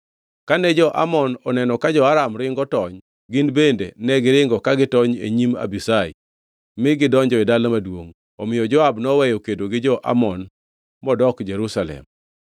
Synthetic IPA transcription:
kanɛd͡ʒɔʔa̰mɔnɔnɛnɔkad͡ʒɔaɾamɾɪŋɡɔtɔɲ | ɡɪnbendḛnɛɡɪɾɪŋɡɔkaɡɪtɔɲḛɲima̰bisaɪ | mɪɡɪdɔɲd͡ʒɔɪdalomadwoŋ | ɔmɪjɔd͡ʒɔabnɔwɛjɔkedoɡɪd͡ʒɔʔa̰mɔn | mɔdɔkd͡ʒeɾusalɛ̰m

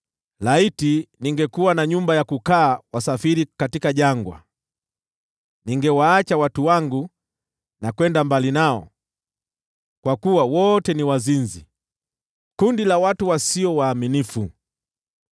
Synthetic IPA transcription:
laitiniŋɡɛkuwanaɲumbajakukaːwasafiɾikatikaʄaŋɡwa̰ | niŋɡɛwaːt͡ʃawatuwaŋɡu | nakwɛndambalinaɔ̰ | kwakuwawɔtɛniwazinzi | kundilawatuwasiɔwaːminifu

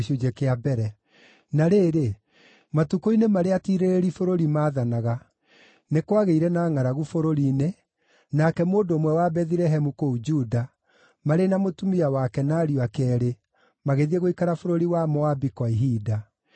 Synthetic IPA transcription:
ʃud͡ʒɛkeabɛɾɛ | naɾeːɾe | matukoinemaɾeatiɾeɾeɾifoɾoɾimaːðanaɣa | nekwaɣeiɾɛnaːŋaɾaɣufoɾoɾine | nakɛmoːdoːmwɛwabɛðiɾɛɦɛmukoud͡ʒuda | maɾenamotumiawakɛnaːɾiakɛːɾe | maɣeðieɣoikaɾafoɾoɾiwamɔabikwaiɦida

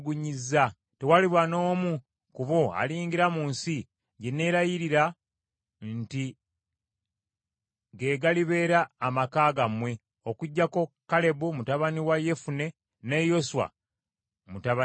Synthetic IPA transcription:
ɡuɲiza | tewaliβwano̞ːmu | kuβo̞a̰liːŋɡiɾamuːnsi | ɟenːe̞ːɾajiɾiɾa | nti | ɡe̞ːɡaliβe̞ːɾaːmakaːɡamwe̞ | okuɟːako̞kale̞βumutaβaniwaje̞fune̞ | nejo̞suwa̰ | mutaβa

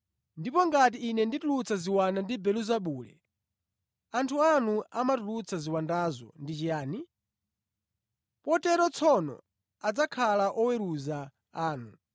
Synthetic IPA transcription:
ndipɔŋɡat̬iːnɛnditulut͡sʰaziwanandibɛluzaɓuːlɛ̰ | antʰuanuamatulut͡sʰaziwandazɔ̰ndit͡ʃijaːni | pɔtɛɾɔt͡sʰɔnɔ̰ | ad͡zakʰalaʔɔwɛɾuza | aːnu

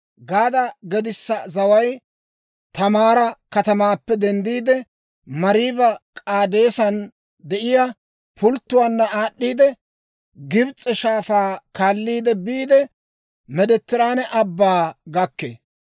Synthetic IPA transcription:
ɡaːd̪ɐɡɛd̪ɪsːɐzɐwɐj | t̪ɐmaːɾɐkɐt̪ɐmaːpːɛd̪ɛnd̪iːd̪ɛ | mɐɾibɐkʼaːd̪e̞ːsɐn | d̪ɛʔɪja | pʊlt̪ːʊwaːnːɐaːɗːiːd̪ɛ | ɡɪbt͡sʼːɛʃaːfaːkaːlːiːd̪ɛbiːd̪ɛ | mɛd̪ɛt̪ːɪɾaːnɛʔɐbːaːɡɐkːḛː

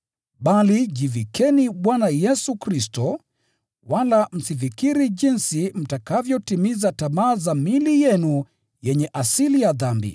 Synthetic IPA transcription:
ɓaliʄivikɛniɓwanajɛsukɾistɔ | walam̩sivikiɾiʄinsim̩takavjɔtimizatamaːzamilijɛnu | jɛɲɛʔasilijaðambḭ

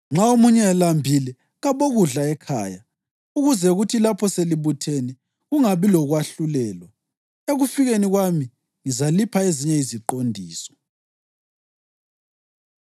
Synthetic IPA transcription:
ŋ͡ǁaomuɲɛalambʱilɛ | ɣaβoɣuɮaɛkʰa̰ːja | uɣuzɛuɣutʰilapʰɔseliβutʰeni | ɣuŋaβilɔɣwaɬulɛːlwa | eɣufiɣeniɣwami | ŋizalipʰaeziɲɛiziǃondʱiːsɔ̥

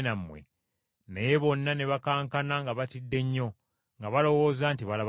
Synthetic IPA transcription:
namːwḛ | najeβo̞nːane̞βakaːŋkanaŋɡaβatidːe̞ɲːo̞ | ŋɡaβalo̞wo̞ːzantiβalaβ

